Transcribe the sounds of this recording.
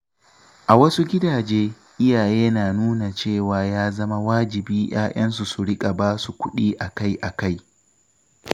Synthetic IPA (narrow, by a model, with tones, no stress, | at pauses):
ʔa˨wɐ˦su˦ɡʲɪ˦daː˨d͡ʒeː˦ | ʔɪ˦jaː˨jeː˦naː˨nuː˦na˨t͡ʃeː˦˨waː˨jaː˦zɐ˦ma˦waː˦d͡ʒɪ˨biː˦j̰a̰ː˦ʔɐ˦ns̬u˨su˨ɽɪ˦kʼa˨baː˦su˨kʷʊ˦ɗiː˦ʔa˨ka˦jʔa˨ka˦j